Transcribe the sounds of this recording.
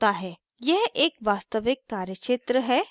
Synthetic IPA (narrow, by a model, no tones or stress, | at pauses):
t̪aɦɛː | jɛɦeːkʋaːst̪əʋɪkːaːɾjəʃeːt̪ɾəɦɛː